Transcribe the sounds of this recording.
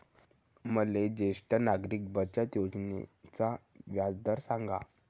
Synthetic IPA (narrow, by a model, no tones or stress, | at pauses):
məled͡ʑeʂʈənaɡɾiːk̚bət͡ɕat̪jod͡znḛt͡sa | ʋjad͡zd̪əɾsãŋɡa̰